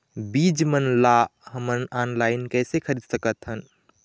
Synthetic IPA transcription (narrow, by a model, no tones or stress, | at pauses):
bid͡ʒmənlaɦəmənanlaɪnkɛːsekʰəɾid̪səkət̪ɦən